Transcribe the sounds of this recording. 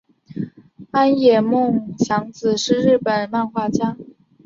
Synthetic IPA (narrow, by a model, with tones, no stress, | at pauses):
a˥njɛ˨˩mʊ˥˩ŋɕjɑ˧˥ŋt͡sɹ̩˨˩ʂɻ̩˥˧ɻɻ̩˥˩pə˨˩nma˥˧nxwa˥t͡ɕja˥